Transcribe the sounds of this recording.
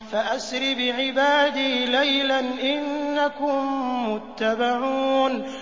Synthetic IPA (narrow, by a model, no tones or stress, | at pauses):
faʔasɾɪbɪʕɪbaːd̪iːlajlanʔɪnːakʊmːʊt̪ːabaʕuːn